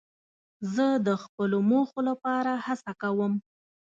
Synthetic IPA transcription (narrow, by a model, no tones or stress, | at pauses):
zəd̪əxpəlomoxolapɑɾahasakawəm